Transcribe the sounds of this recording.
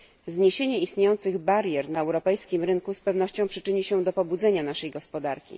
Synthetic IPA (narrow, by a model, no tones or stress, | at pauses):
zɲeɕeɲɛist̪ɲejɔnt̪sɘɣbaɾʲjɛɾnaɛwɾɔpɛjskʲimɾɘŋkuspɛvn̪ɔɕt͡ɕɔ̃w̃pʂɘt͡ʂɘɲiɕɛd̪ɔpɔbud̪zɛɲanaʂɛjɡɔspɔd̪aɾkʲḭ